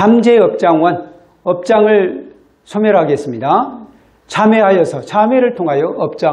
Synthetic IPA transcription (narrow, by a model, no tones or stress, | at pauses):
amd͡ʑeʌp̚t͡ɕ͈aŋwʌn | ʌp̚t͡ɕ͈aŋɯɭ | t͡ɕʰomjʌɾɦaɡe̞s͈ɯmɲida | t͡ɕʰameɦajʌsʰʌt͡ɕʰameɾɯɭtʰoŋɦajʌʔʌp̚t͡ɕ͈a